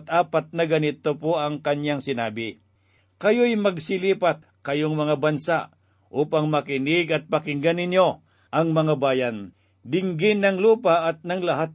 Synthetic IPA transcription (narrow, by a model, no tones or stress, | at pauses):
t̪ʔaːpat̪̚nɐɡɐnɪt̪opoʔɐŋkɐnjaŋsɪnaːbɪ | kɐjojmɐɡsɪliːpat̪̚kɐjoŋmɐŋabɐnsaʔ | ʔuːpaŋmɐkɪnɪɡɐt̪̚pɐkɪŋɡanɪnjo̞ | ʔɐŋmɐŋabaːjan | d̪ɪŋɡɪnːɐŋluːpaʔɐt̪̚nɐŋlɐɦat̪̚